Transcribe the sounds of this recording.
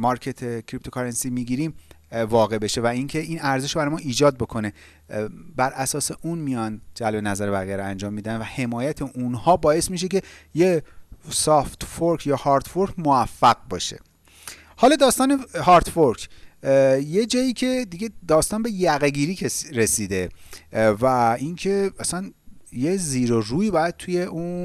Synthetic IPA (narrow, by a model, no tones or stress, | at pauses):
mɒɾcʰet̪ʰecʰɾip̚t̪ʰo̞kʰɒɾensimiːɡiːɾiːm | vɒːɣe̞be̞ʃe̞væiːŋcʰeiːnæɾzeʃbæɾɒjmɒʔiːd͡ʒɒːd̪̚bo̞kʰo̞ne̞ | bæɾʔæsɒːseʔunmijɒːnd͡ʒælbe̞næzæɾebæɣijæɾoænd͡ʒɒːmːiːd̪ænvæhe̞mɒːjæt̪ʰeʔunhɒːbɒːe̞smiʃ̬e̞ce̞jesɒft̪foɾkʰjɒːhɒːɾd̪foɾkʰmoæfːæɢ̚bɒ̰ːʃe̞̰ | hɒːlɒd̪ɒːst̪ɒːnehɒːɾt̪foɾkʰ | je̞d͡ʒɒːjiːcʰe̞d̪iɡe̞d̪ɒːst̪ɒːnbe̞jæɣeɡiːɾiːkʰeɾesiːd̪e̞ | væincʰe̞æsænjeziːɾoɾuːiːbɒːjæd̪̥̚t̪ʰuje̞ʔun